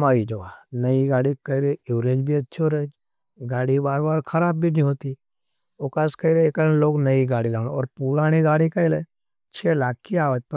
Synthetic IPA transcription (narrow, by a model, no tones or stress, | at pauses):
maːid͡ʒɐʋanɐiɡaːɽikɐɪɾeuːɾẽːd͡ʒbʱiɐtːʃʰoɾed͡ʒ | ɡaːɽibaːɾbaːlkʰɐɾaːbːʱinĩɦoːt̪i | okaːskɐɪɾeekənloːɡnɐiɡaːɽilaːñɔːɾpuːɾaːñiɡaːɽikɐɪle | t͡ʃʰeːlaːk̚kiaːʋət̪̚p